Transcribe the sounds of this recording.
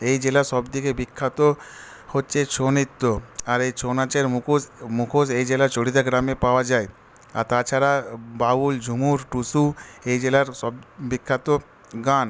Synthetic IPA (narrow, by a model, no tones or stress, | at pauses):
ejd͡ʑelaɾʃɔbd̪ikebikʰːat̪o | hotːɕʰet͡ɕʰonit̪ːoaɾejt͡ɕʰonat͡ɕeɾomukʰosejd͡ʑelaɾt͡ɕoɽid̪aɡɾamepaoad͡ʑae | a̰ɾt̪at͡ɕʰaɾababuld͡ʑʱumuɾʈusuejd͡ʑelaɾsɔbbikʰːat̪o | ɡan